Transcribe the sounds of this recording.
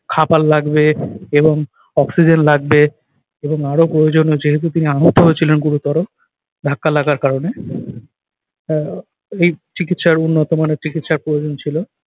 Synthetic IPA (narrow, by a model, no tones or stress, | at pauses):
kʰapalːaɡbeeboŋ | ɔksid͡ʑenlaɡbe | eboŋaɾopɾojod͡ʑonod͡ʑeɦet̪ut̪iniaɦot̪ːoɦoet͡ɕʰilenɡuɾut̪ɔɾo | d̪ʱakːalaɡaɾkaɾone | ejt͡ɕikit̪ʃaɾunːot̪omanet͡ɕikit̪ʃaɾpɾojod͡ʑont͡ɕʰilo